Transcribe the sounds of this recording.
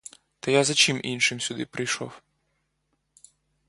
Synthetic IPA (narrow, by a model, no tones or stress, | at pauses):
t̪ɐjazɐt͡ʃimʔḭnʃɪmsʲʊd̪ɪpɾɪjʃɔ̰w